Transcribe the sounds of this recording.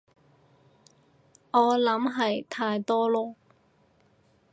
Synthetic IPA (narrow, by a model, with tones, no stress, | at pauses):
ŋɔː˨˧lɐ˨˥mɦɐ˨jt̪ʰaː˧jt̪ɔː˥lɔː˥